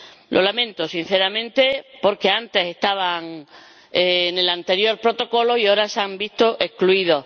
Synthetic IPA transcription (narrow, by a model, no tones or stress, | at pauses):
lʔo̞lamẽ̞nt̪osin̟θeɾamẽnt̪e̞po̞ɾke̞ant̪e̞se̞st̪aβ̞aŋ | ene̞lant̪eɾjo̞ɾpɾot̪o̞ko̞lo̞ioɾasambist̪oʔehkluiðo̞